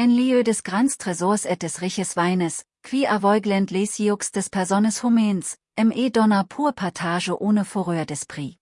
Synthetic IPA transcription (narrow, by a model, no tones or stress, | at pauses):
anliøːdɛsɡ̥ʁant͡stʁ̥ɛzɔːɐsɛt̚d̥ɛsʁɪçəsv̥aɪnəs | kʰv̥iːʔavɔʏɡlɛntlesiʊksd̥ɛspʰɛɐzɔnəshumɛːns | ʔɛmeːdɔnɐpʰuːɐpʰatʰaːʒəʔoːnəfoʁøːɐdɛspʁ̥iː